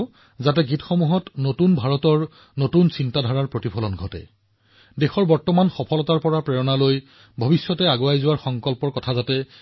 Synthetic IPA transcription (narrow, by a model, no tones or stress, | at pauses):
zatɛɡitxɔmuɦɔtnotunbʱaɹɔtɔɹ | notunsintadʱɔɹaɹpɹotipʰɔlɔnɡʱɔtɛ̰ | dexɔɹbɔɹtɔmanxɔpʰɔlɔtaɹpɔɹapɹɛɹɔnaloj | bʱɔbisːɔtɛaɡoajzʊwaɹxɔŋkɔlpɔɹkɔtʰazatɛ